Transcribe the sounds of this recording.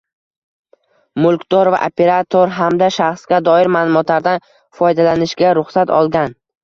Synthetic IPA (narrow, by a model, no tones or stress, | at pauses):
mʊlˠkʲd̪̥ɒɾva̰ʔopʰe̞ɾat̪ʰoɾɦamd̪aʃaχsɡʲad̪ɒɪɾmaːlˠʊmɒt̪laɾd̪an | fɒjd̪alanɪʃɡʲaɾʊχsat̪ɒ̰lˠɡʲan